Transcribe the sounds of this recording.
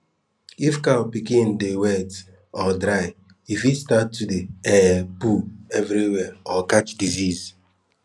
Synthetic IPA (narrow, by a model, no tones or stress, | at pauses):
ifkalpikĩn̩dewet | ɔdɾaɪ | ifistatːudeɛpuɛvɾiwɛɔkat͡ʃdiziz